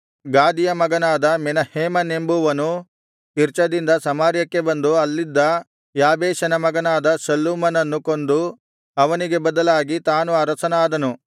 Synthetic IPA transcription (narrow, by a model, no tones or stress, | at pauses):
ɡaːd̪ijɐmɐɡɐnaːd̪ɐmɛnɐheːmɐne̞mbuʋɐnu | kiɾt͡ʃɐd̪ind̪ɐsɐmaːɾjɐkːe̞bɐnd̪uɐlːid̪ːɐ | jaːbeːʃɐnɐmɐɡɐnaːd̪ɐsɐlːumɐnɐnːukond̪u | ɐʋɐniɡe̞bɐd̪ɐlaːɡit̪aːnuɐɾɐsɐnaːd̪ɐnu